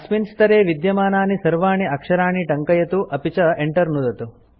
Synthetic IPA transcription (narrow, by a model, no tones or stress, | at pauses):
ɐsminst̪ɐɾeːʋid̪jɐmaːnaːnisɐɾʋaːɳiɐkʂɐɾaːɳiʈɐŋkɐjɐt̪uʔɐpit͡ʃɐeɳʈɐɾnud̪ɐt̪u